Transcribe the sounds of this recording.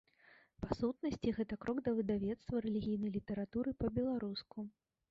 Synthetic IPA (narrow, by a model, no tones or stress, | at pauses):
pasut̪nɐsʲt͡sʲiɣɛt̪ɐkɾɔɡd̪ɐvɨd̪avʲɛt̪st̪vɐɾɛlʲiɣʲijnɐjlʲit̪ɛɾat̪uɾɨpɐbʲɛlˠaɾusku